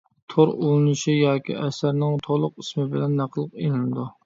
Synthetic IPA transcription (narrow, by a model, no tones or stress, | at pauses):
t̪ʰoɾolˠɨnɨʃijɑːkʲḭɛsæɾnɪŋt̪ʰolˠʊqismɪbɪlɛnːæqʰəlˠəqenɪnɪd̪u